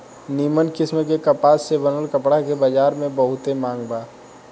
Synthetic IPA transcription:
niːmənkɪsməkekəpaːsːebənəlkəpɽakebəd͡ʒaːɾmẽbəɦʊt̪emãːŋɡbaː

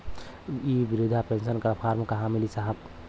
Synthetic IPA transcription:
ibiɾud̪ʱapẽnsənkɐɾpʰaːɾmkaɦãmilisaɦəb

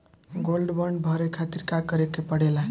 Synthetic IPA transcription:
ɡolɖbəɳɖbʱəɾekʰat̪iɾkakəɾekepəɽ̤ela

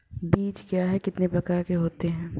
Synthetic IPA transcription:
biːt͡ʃkjaːɦɛkɪt̪nepɾɐkaːɾkeɦoːt̪eɦɛ̃ː

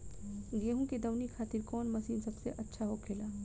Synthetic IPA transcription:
ɡeːɦũked̪ɐwnikʰaːt̪ɪɾkɔːnmɐsiːmsɐbseʔɐtːʃʰaɦokʰeːlaː

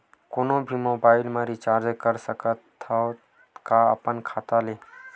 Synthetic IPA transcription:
koːnõbʱimoːbaːɪlmaːɾit͡ʃaːɾd͡ʒkəɾsəkət̪ʰːa | kaə̰pənkʰaːt̪aleː

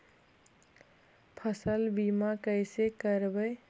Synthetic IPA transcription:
pʰəsəlbimakəɪsekəɾbəɪ

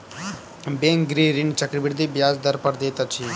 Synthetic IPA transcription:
bẽːŋkɡɾiɾint͡ʃəkɾibɪɽd̪iːbjaːzd̪əɾpəɾd̪eːt̪at͡ʃʰiː

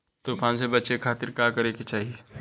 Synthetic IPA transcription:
t̪opʰãns̬ebɐːʃekʰaːt̪iɾkakəɾeket͡ʃaːɦie

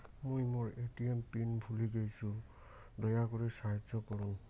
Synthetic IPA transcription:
mojmoɹetiempinbʱuliɡejsʊ | dɔjakɔɹɛsaɦzɔkɔɹʊn

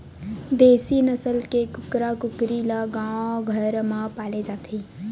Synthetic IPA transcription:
d̪eːsinəsəlkekʊkɾakʊkɾilaɡãɡʱəɾmãpaled͡ʒaːt̪ʰi

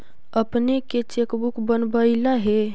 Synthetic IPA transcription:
əpneket͡ʃekbukbənbəilaɦɛ

